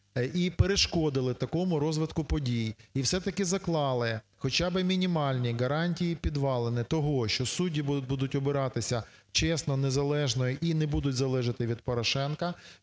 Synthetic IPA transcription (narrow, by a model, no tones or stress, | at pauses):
ipeɾeʃkɔd̪ɪlˠɪt̪ɐkɔmʊɾɔzʋɪt̪kʊpɔdʲijiwsɛt̪ɐkɪzɐklˠɑlˠɪ | xɔt͡ʃɑbɪmʲinʲimɑlʲnʲiɡɐɾɑnʲtʲijipʲid̪ʋɑlˠenɪt̪ɔɦɔʃt͡ʃɔsudʲibud̪ʊtʲɔbɪɾɑt̪ɪsʲɐ | t͡ʃɛsnɔnezɐlˠɛʒnɔjiʔinɛbud̪ʊtʲzɐlˠɛʒɐt̪ɪʋʲid̪̚pɔɾɔʃɛnkɐ